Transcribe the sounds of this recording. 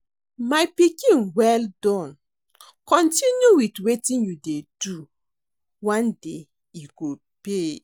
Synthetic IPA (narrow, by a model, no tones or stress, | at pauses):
majpikĩnwɛldɔ̃n | kɔ̃ntinjuwitwetĩnjudedu | wãnde | iɡo | pe